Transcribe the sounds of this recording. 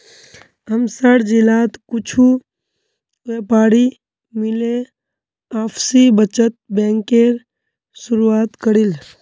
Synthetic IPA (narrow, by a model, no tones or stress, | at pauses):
ɦəmsaɽd͡ʒilaːt̪kʊt͡ʃʰu | ʋeːpaːɽi | mɪle | aːpʰsibət͡ʃət̪̚bẽːŋkeːɾ | sʊɾuaːt̪kəɽil